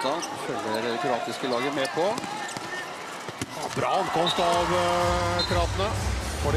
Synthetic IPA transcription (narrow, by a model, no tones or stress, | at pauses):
ɑfœlːəɾd̪ɛkʰɾɑːt̪ɪskəlɑːɡəmeːpʰɔ | hɑ̰bɾɑ̰ːɑŋkʰɔmst̪ɑʋ | kʰɾɑːt̪ənəhɔɖɪ